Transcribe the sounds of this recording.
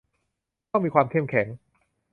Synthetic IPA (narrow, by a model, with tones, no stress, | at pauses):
tɔ˥˩miː˧kwaː˧mkʰe˥˩˨mkʰɛ˩˦ŋ